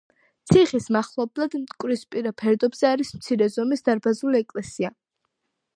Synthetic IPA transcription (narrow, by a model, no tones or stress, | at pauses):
t̪sʰiχismaχlˠɔblˠad̪mt̪ʼkʼwɾispʼiɾapʰɛɾd̪ɔbz̥ɛaɾismt̪sʰiɾɛzɔmisd̪aɾbazuliɛkʼlɛsia